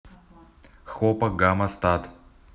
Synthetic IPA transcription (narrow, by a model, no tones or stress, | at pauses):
xɔpɐɡamɐst̪at̪